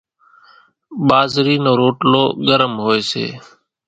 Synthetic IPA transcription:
ɓaːzɾiːnoːɾoːʈlo̰ːɡəɾəmɦoːeːsḛː

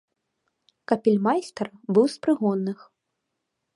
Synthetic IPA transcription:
kɐpʲilʲmajst̪ɐrbɨwspɾɨɣɔnːɨx

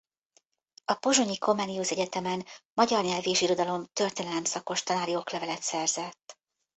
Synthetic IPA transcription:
ɒpo̞ʒo̞ɲiko̞mɛːniusɛɟɛt̪ɛmɛnmɒɟɒrɲɛlveːʃiɾo̞d̪ɒlo̞mt̪ø̞rt̪eːnɛlɛmsɒko̞ʃt̪ɒnaːɾio̞klɛvɛlɛt̪sɛrzɛt̪ː

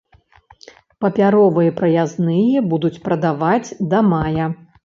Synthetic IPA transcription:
pɐpʲaɾɔvɨjɐpɾɐjaznɨjɐbud̪ut͡sʲpɾɐd̪avad͡zʲd̪ɐmajɐ

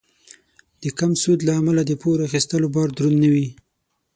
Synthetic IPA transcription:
d̪̥əkamsud̪laːmalad̪əpʰoɾaxist̪əlobɑɾd̪ɾunːawi

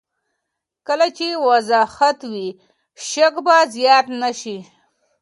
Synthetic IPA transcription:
kəlat͡ʃewazɑhat̪wi | ʃakbazjɑt̪naʃi

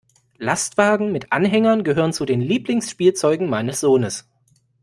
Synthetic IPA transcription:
lastv̥aːɡŋ̩mɪtʔa̰nɦɛŋɐnɡəɦøːʁ̞ənt͡sudeːnliːplɪŋsʃpiːlt͡sɔʏɡŋ̩maɪnəsz̥oːnəs

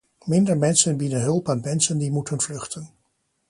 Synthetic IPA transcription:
mɪndəɹmɛnsənbidənɦɵlˠpaːnmɛnsəndimutənvlɵχtən

